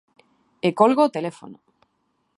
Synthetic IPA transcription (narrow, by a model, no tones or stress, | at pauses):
ekolɣot̪elefo̰no